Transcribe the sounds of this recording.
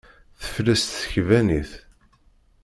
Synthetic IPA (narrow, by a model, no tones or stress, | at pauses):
θə̥flæst̪θə̥çvæniθ